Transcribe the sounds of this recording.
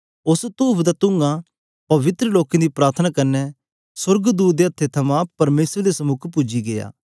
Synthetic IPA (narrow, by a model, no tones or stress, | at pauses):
ʊst̪uːpʰd̪at̪ʊ̃ŋɡa | pɐʋɪt̪ɾəloːkẽd̪ipɾaːɾt̪ʰənakɐnːɛ | swɐɾɡd̪uːt̪̚d̪eɐt̪ʰːet̪ʰɐmãpɐɾmeːsɾd̪esɐmʊkʰpʊd͡ʒiɡeja̰ː